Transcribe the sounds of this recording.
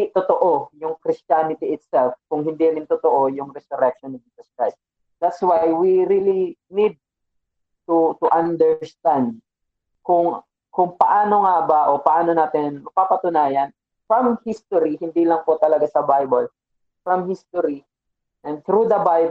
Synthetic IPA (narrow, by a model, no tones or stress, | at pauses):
t̪ʊt̪oʔojʊŋkɾɪst͡ʃanɪt̪iɪt̪sɛlfkʊŋɦɪ̃nd̪inɪnt̪ʊt̪oʔojʊŋɾɛsʊɾɛk̚ʃɔnɔvd͡ʒisɐskɹajst̪̚ | d̪at̪swajwiɾilinid̪̚ | t̪ut̪ʊʔɐ̃nd̪ɛɹst̪ãnd̪̚ | kʊŋ | kʊŋpɐʔaːno̞ŋabaʔopɐʔaːnonaːt̪ɪnmɐɡ̚papɐt̪ʊnaːjɐn | fɹɐmhist̪oɾihɪnd̪ilɐŋpot̪ɐlɐɡasɐbajbɐl | fɹɐmhist̪oɾi | ʔɛ̃nd̪̚θɾud̪ɐbajb